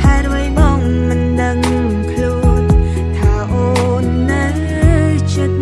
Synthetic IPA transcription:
hʰat̪̚ʋəjɓɔŋ | mɨnɗəŋ | kʰluən | t̪ʰaːʔoː | nːə | t͡ɕit̪̚

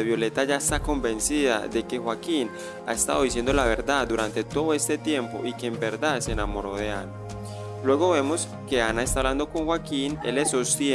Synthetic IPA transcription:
eβjo̞le̞t̪aʝaest̪ako̞mbe̞nsiða̰ðe̞ke̞xwakin | a̰e̞st̪a̰ðo̞ðisje̞nd̪o̞laβ̞e̞ɾd̪aðd̪uɾant̪e̞t̪o̞ðoe̞st̪e̞t̪je̞mpo̞̰ʔike̞ːmbe̞ɾd̪aðse̞ːnamo̞ɾo̞ðe̞ana | lwe̞ɣo̞βe̞mo̞s | ke̞anaest̪aβland̪o̞ko̞ŋxwakine̞̰leso̞st̪je

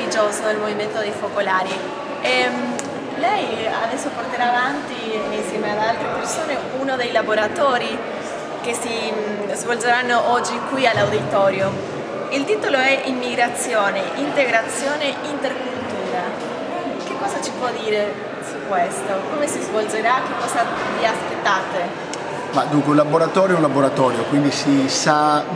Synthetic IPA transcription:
id͡ʒoːzod̪elmoviment̪od̪ejfokolaːɾi | ɛm | lɛja̰d̪ɛsːoport̪eɾaːvant̪iinsjɛːmead̪alt̪ɾepersoːneunod̪ejlaboɾat̪oːɾi | k̟esi | zvold͡ʒeɾanːoʔɔd͡ʒːikwialːawd̪it̪ɔːɾjo | ilt̪iːt̪oloɛʔimːiɡɾat̪sːjoːneʔint̪eɡɾat̪sːjoːneʔint̪erkult̪uːɾa | kekːɔːzat͡ʃi̥pwɔd̪ːiːɾe | sukwest̪okomesizvold͡ʒeɾak̟ːekːɔːzaviaspet̪ːaːt̪e | mad̪uŋkweulaboɾat̪ɔːɾjoɛũñlaboɾat̪ɔːɾjokwind̪isisa

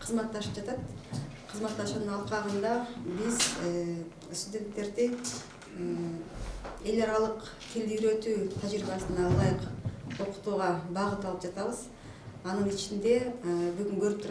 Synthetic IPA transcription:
qʰəzmɑt̪ːɑʃɯp̚d͡ʒɑt̪ɑt̪qʰəzmɑt̪ːɑʃunɯnɑlˠqɑʁɯnd̪ɑbiz | st̪udʲe̞nt̪ːe̞ɾd̪i | e̞lʲɑɾɑlˠəq | t̪ʰeld̪iɡɾø̞t̪yːt̪ʰɑʒɾibɑsɯnɑlˠɑjɯqo̞qu̥t̪uːʁɑbɑʁət̪ɑlˠɯp̚d͡ʒɑt̪ɑβəz | ɑnəɴit͡ʃind̪e̞byɡyŋɡøɾyp̚t̪ʰuɾ

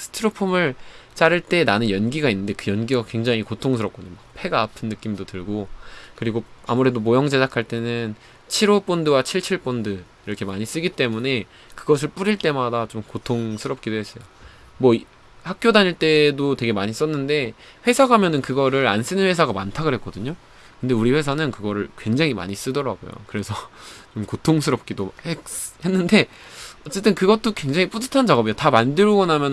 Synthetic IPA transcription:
sʰɯ̥tʰɯɾopʰumɯɭt͡ɕ͈aɾɯɭt͈e̞nanɯnjʌnɡiɡainːɯnde̞kɯjʌnɡiɡakwe̞ŋd͡ʑaŋikotʰoŋsʰɯɾʌp̚k͈oɲomak̚pʰe̞ɡaːpʰɯnːɯk͈imdotɯɭɡokɯɾiɡoa̰muɾe̞domojʌŋd͡ʑesakʰaɭt͈e̞nɯn | t͡ɕʰiɾop͈ondɯwat͡ɕʰiɭt͡ɕʰiɭp͈ondɯ | iɾʌkʰe̞maɲis͈ɯɡit͈e̞mune̞ | kɯɡʌs̬ʰɯɭp͈uɾiɭt͈e̞madat͡ɕomkotʰoŋsʰɯɾʌp̚k͈edoɦes͈ʌjo | mwʌi | hak̚k͈jodaɲiɭt͈e̞dote̞ɡe̞maɲis͈ʌnːɯnde̞ | ɸwe̞sʰaɡamjʌnɯnkɯɡʌɾɯɾa̰ns͈ɯnɯnwesʰaɡamantʰaɡɯɭɦe̞k͈ʌdɯɲo | kɯnde̞uɾiɸwe̞sʰanɯnkɯɡʌɾɯɭkwe̞ŋd͡ʑaŋima̰ɲis͈ɯdʌɾa̰ɡo̰jo̰kɯɾe̞sʰʌt͡ɕomkotʰoŋsʰɯɾʌp̚k͈idohehe̞nːɯnde̞ | ʌtt͡ɕ͈e̞t͈ɯnkɯɡʌt͈okwe̞ŋd͡ʑaŋip͈udɯ̥tʰant͡ɕaɡʌbijotamandɯɾoɡʌnɦamjʌn

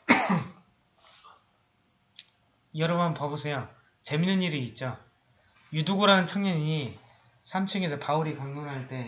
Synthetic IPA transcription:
jʌɾʌbʌnpʌbusʰejo | t͡ɕe̞minɯɲiɾiːt̚t͡ɕ͈o | juduɡoɾanɯnt͡ɕʰʌŋɲʌɲi | sʰamt͡ɕʰɯŋesʰʌpauɾikaŋɲonɦaɭt͈e̞

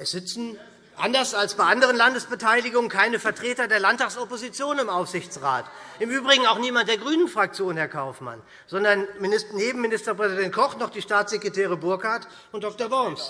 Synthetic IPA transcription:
ʔɛsz̥ɪt͡sn̩ | ʔa̰ndɐsalsb̥aɪʔandəʁ̞ənlandəsb̥ətʰaɪlɪɡʊŋənkʰaɪnəfɛɐtʁ̥eːtɐdeːɐlantaːksɔpozit͡sjoːnɪmʔaʊfz̥ɪçt͡sʁa̰ːtʔɪmʔyːbʁɪɡŋ̩aʊxniːmant̚d̥eːɐɡʁyːnənfʁ̥ak̚t͡sjoːnhɛɐkʰaʊfma̰n | zɔndɐnmɪnɪsneːbm̩mːɪnɪstɐpʁ̥ɛzidɛnt̚kʰɔχnɔχd̥iːʃtaːt͡sz̥ɛkʁ̥etɛːʁ̞əbʊɐkhaɐt | ʊnt̚d̥ɔk̚tɐbɔɐms

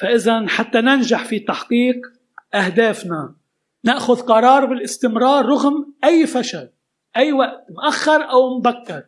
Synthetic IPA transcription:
faʔɪzanħat̪ːanɪnʒaħfit̪ɑħqiːq | ʔahd̪aːfna | naʔxʊðqɑɾˤɑːɾˤbɪlʔɪst̪ɪmɾɑːɾˤːʊɣmʔajːfaʃal | ʔajːwaʔt̪mʔaxːɑɾˤʔawmbakːɪɾˤ

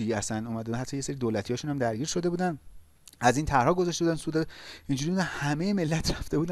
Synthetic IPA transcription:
ijæsænuːmæd̪eud̪æhæt̪ʰːɒːjeseɾiːd̪oːlæt̪ʰijɒːʃuːnhæmd̪æɾɟiːɾʃo̞d̪e̞buːd̪æn | æzint̪ʰæɾhɒːɡo̞zæʃtebud̪ænsud̪ɒind͡ʒuɾimud̪ænhæme̞jeme̞lːæt̪ʰɾæft̪e̞buːd̪æ

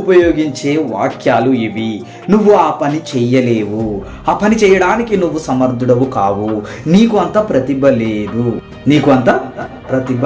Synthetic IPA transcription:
upɐjoːɡiɲt͡ʃe̞ːʋa̰ːkjaːluiʋi | nuʋːuaːpɐnit͡ʃɛjɐleːʋu | aːpɐnit͡ʃɛːjɐɽaːnikinuʋːusɐmɐɾd̪ʱuɽɐʋukaːwuniːkuɐnt̪ɐpɾɐt̪ibʱɐleːd̪u | niːkuɐnt̪ɐːpɾɐt̪ib

